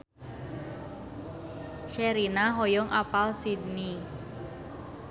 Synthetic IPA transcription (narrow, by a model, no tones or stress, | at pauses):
ʃɛɾinaɦojɔŋʔapalsidni